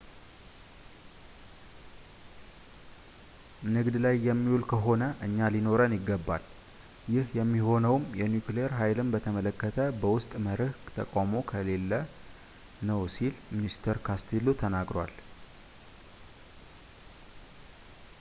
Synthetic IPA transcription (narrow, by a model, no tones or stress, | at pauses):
nɨɡd̪lajːɛmːiwulkʰəɦo̞nəʔɨɲːalino̞ɾənjɪɡːəbːal | jɪhjɛmːiho̞nəwmjɛnjukleeɾɦajlɨmbət̪ʰəmələkːət̪ʰəbəwʊst̪ʼməɾɨhkt̪ʰəkʼamo̞kʰəle̞lːə | nəwsilminist̪ʰəɾkʰast̪ʰelut̪ʰənaɡɾwal